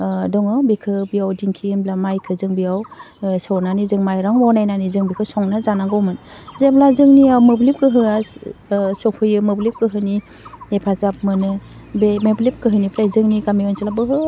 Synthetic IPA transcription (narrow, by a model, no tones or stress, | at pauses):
dɔŋɯbikʰɯbijawdiŋkʰimblamajkʰɯzɯŋbijaw | sɔwnanizɯŋmajɾaŋmɔwnajnanizɯŋbikʰɯsɔŋnazanaŋɡɔmɯnzeblazɯŋniawmɯblip̚kɯɦɯa | sɔkʰɯjɯmɯblip̚kɯɦɯni | epʰazap̚mɯnɯ | bemeblip̚kɯɦɯnipʰɾajzɯŋnikamiɯnsalabɯɦɯ